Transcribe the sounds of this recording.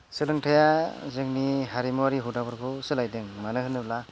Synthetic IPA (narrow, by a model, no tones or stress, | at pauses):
sɯlɯŋtʰajazɯŋniɦaɾimuwaɾiɦudabɯɾkʰɔsɯlajdɯŋmanɯhɯnɯbla